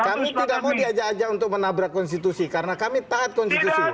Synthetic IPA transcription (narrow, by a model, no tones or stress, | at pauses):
kamit̪idak̚maudiad͡ʒaːd͡ʒaunt̪ʊk̚mənabɾakːɔns̬t̪it̪usikaɾənakamit̪aːt̪̚kɔnst̪it̪usi